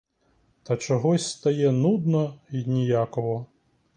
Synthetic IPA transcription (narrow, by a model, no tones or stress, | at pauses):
t̪ɐt͡ʂɐɣɔsʲst̪ajɛnud̪nɔinʲijakɔɦɔ